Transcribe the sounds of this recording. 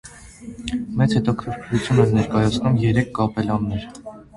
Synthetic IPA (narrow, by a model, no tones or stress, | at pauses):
mɛt͡shɛt̪ɔkʰəɾkʰɾut͡sʰjunɛnːɛɾkɑjɑt͡sʰnumjɛɾɛkʰːɑpɛlɑnːɛɾ